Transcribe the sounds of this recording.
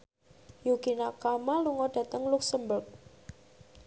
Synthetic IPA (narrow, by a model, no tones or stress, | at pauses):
juɡ̥inakamaluŋɔɖ̥a̤t̪əŋluksəmbʊrk̚